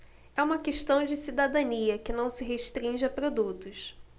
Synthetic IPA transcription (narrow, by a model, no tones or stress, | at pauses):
ɛũmɐkeʃt̪ɐ̃w̃d͡ʒɪsid̪ad̪ɐniɐkɪnɐ̃w̃sɪɦeʃt̪ɾĩʒɪɐpɾod̪ut̪ʊs